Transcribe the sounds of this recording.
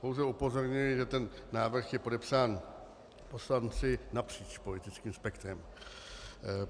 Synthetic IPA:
powzɛupo̞zo̞ɾɲɪlɪʒɛt̪ɛnːaːvr̩xjɛpo̞dɛpsaːn | po̞slant͡sɪnapr̝̥iːt͡ʃpo̞lɪt̪ɪt͡skiːmspɛkt̪ɾɛm

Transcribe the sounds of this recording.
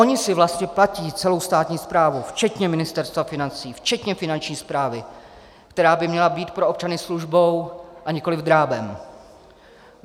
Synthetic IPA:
ʔo̞ɲɪsɪvlast̪ɲɛplaciːt͡sɛlo̞wst̪aːt̪ɲiːspɾaːvuft͡ʃɛt̪ɲɛmɪnɪst̪ɛɾst̪vafɪnant͡siːft͡ʃɛt̪ɲɛfɪnant͡ʃɲiːspɾaːvɪ | kt̪ɛɾaːbɪmɲɛlabiːt̪pɾo̞ʔop̚t͡ʃanɪsluʒbo̞wʔaɲɪko̞lɪvd̪ɾaːbɛm

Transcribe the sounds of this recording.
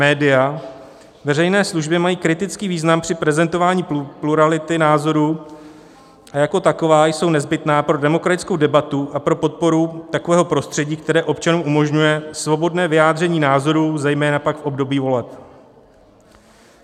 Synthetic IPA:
mɛːdɪja | vɛrɛjnɛːsluʒbɪɛmajiːkɾɪt̪ɪt͡skiːviːznampr̥ɪpɾɛzɛnt̪o̞vaːɲiːpluɾalɪt̪ɪnaːzo̞ɾuː | ʔajako̞t̪ako̞vaːjso̞wnɛzbɪt̪naːpɾo̞dɛmo̞kɾat̪ɪt͡sko̞wdɛbat̪uʔapɾo̞po̞t̪̚po̞ɾut̪ako̞vɛːɦo̞pɾo̞st̪r̥ɛɟiːk̚t̪ɛɾɛːʔo̞pt͡ʃanuːmʔumo̞ʒɲujɛsvo̞bo̞dnɛːvɪjaːd̪r̝ɛɲiːnaːzo̞ɾuːzɛjmɛːnapakfʔo̞bdo̞biːvo̞lɛp̚

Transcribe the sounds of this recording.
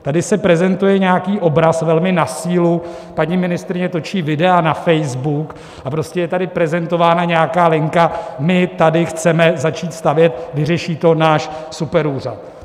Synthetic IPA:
t̪adɪsɛpɾɛzɛnt̪ujɛɲɛakiːʔo̞bɾasvɛlmɪnasiːlu | paɲimɪnɪst̪ɾɪɲɛt̪o̞t͡ʃiːvɪdɛanafɛjzbuk | apɾo̞scɛjɛt̪adɪpɾɛzɛnt̪o̞vaːnaɲɛjakaːlɪŋkamɪt̪adɪxt͡sɛmɛzat͡ʃiːt̪st̪avjɛt̪̚vɪrɛʃiːt̪o̞naːʃsupɛɾuːr̝at̪̚

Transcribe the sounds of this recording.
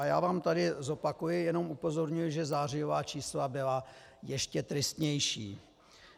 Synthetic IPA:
aja̰ːvaːmt̪adɪzo̞pakujɪjɛno̞mʔupo̞zo̞ɾɲujɪʒɛzaːr̝ɪjo̞vaːt͡ʃiːslabɪla | jɛʃcɛt̪ɾɪst̪ɲɛjʃḭː

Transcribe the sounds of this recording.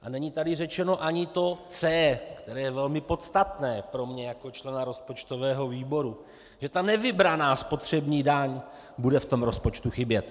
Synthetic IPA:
ʔanɛɲit̪adɪrɛt͡ʃɛno̞ʔaɲɪt̪o̞t͡sɛːkt̪ɛɾɛːjɛvɛlmɪpo̞t̪st̪at̪nɛːpɾo̞mɲɛjako̞t͡ʃlɛnaɾo̞spo̞t͡ʃt̪ovɛːɦo̞viːbo̞ɾu | ʒɛt̪anɛvɪbɾanaːspo̞t̪r̝̥ɛbɲiːdaɲ | budɛft̪o̞mɾo̞spo̞t͡ʃt̪uxɪbjɛt̪

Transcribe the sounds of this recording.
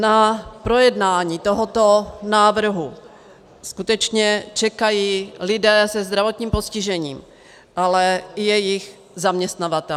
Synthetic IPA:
napɾo̞jɛdnaːɲiːt̪oɦot̪onaːvr̩ɦu | skut̪ɛt͡ʃɲɛt͡ʃɛkajiːlɪdɛːsɛzd̪ɾavo̞t̪ɲiːmposcɪʒɛɲḭːm | ʔalɛjɛjɪx | zamɲɛst̪navat̪ɛ

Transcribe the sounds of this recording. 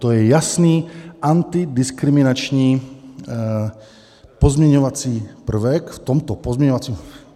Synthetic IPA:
t̪ojɛjasniːʔant̪idɪskɾimɪnat͡ʃɲiː | pozmɲɛɲovat͡siːpr̩vɛkft̪omt̪opozmɲɛɲovat͡siːm

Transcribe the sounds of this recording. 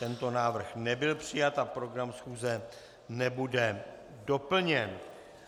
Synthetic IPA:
t̪ɛnt̪o̞naːvr̩xnɛbɪlpr̝̥ɪjat̪ʔapɾo̞ɡɾamsxuːzɛ | nɛbudɛ | do̞pl̩ɲɛn

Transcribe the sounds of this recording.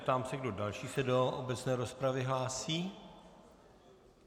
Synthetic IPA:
t̪aːmsɛɡdo̞dalʃiːsɛdoʔobɛt͡snɛːɾo̞spɾavɪɦlaːsiː

